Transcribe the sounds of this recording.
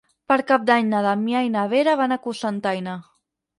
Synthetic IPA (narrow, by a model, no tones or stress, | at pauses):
pəɾkap̚d̪aɲnaðamjajnaβeɾaβ̞anakusant̪ajna